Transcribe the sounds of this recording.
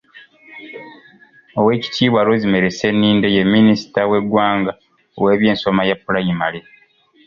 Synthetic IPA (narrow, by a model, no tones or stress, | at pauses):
owe̞ːci̥tʰiːβwalozime̞ɾe̞se̞nːiːndejemːinisi̥tawe̞ɡwaːŋɡa | o̰we̞ːβje̞ːnso̞majapːulajimale